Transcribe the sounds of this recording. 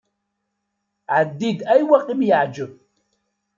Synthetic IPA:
ʕad̪idajwaqʼimjaʕd͡ʒɨ

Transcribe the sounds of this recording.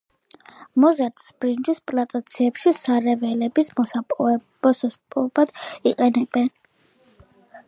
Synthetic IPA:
mɔzaɾt̪ʼsb̥ɾind͡ʒispʼlat̪ʼat̪sʰiɛpʃisaɾɛvɛlɛbismɔsapʼuɛbɔsɔspʼɔbad̪̥iqʼɛnɛbɛn

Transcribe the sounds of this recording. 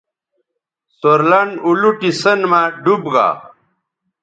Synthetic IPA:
soɾlanuluʈisənmaɖubɡa̰

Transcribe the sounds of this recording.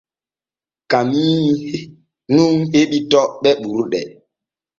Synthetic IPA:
kami | nuŋheɓitɔɓɛɓuɾuɗɛ

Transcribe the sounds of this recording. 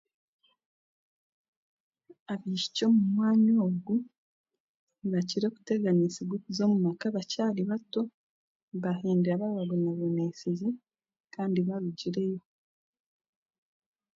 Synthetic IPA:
aβiːʃi̥co̞mumwaːɲoːɡu | βaciɾo̞ku̥teɡanisiɡwokuzo̞ːmumakaβacaːliβato̞ | βaheːndiɾaβaβaɡunaβenesizi | kʰaːndiβaɾuɟiɾe̞jo̞

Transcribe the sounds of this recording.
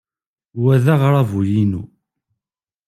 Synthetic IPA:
wæðaʁɾˤɑvujinu

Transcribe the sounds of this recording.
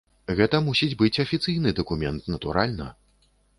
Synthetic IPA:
ɣɛt̪ɐmusʲid͡zʲbɨt͡sʲɐfʲit̪sɨjnɨd̪ɐkumʲɛnt̪nɐt̪uɾalʲnɐ

